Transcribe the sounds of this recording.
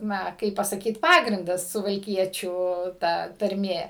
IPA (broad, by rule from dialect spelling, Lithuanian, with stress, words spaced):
ˈnɐ ˈkɐɪp pɐsɐˈkʲiːt ˈpɑːɡrʲɪndɐs sʊʋɐlʲˈkʲiɛt͡ʃʲuː ˈtɐ tɐrʲˈmʲeː